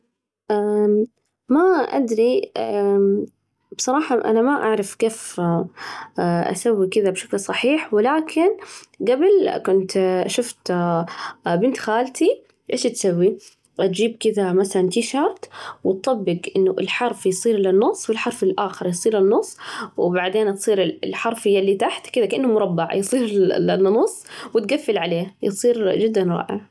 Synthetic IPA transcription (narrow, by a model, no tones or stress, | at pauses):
ʔa | maʔa̰d̪ɾi | b̥sˤɑɾˤɑːħɑʔa̰namaʔa̰ʕɾˤɑfkeːf | ʔa̰sawːikɪðabʃaklsˤɑħiːħwɪlaːkʰɪnɡabɪlkʊnt̪ʃʊft̪ | bɪnt̪xaːlt̪i | ʔeːʃat̪sawːi | t̪d͡ʒiːb̚kɪðamaθalant̪iːʃɑɾˤt̪wɪt̪̚ˤːɑbːɪɡʔɪnːʊʔɪ̰lħɑɾˤfjsˤiːɾlanːʊsˤːwɪlħɑɾˤfɪlʔaːxɪɾˤjsˤiːɾlɪnːʊsˤːwɪbaʕd̪eːnt̪sˤiːɾɪlħɑɾˤfɪjːalːiːt̪aħt̪kɪðakaʔɪnːʊmʊɾˤɑbːaʕjsˤiːɾla̰nːʊsˤːwɪt̪ɡafːɪlʕaleːhjsˤiːɾd͡ʒɪd̪ːanɾˤɑ̰ːʕa̰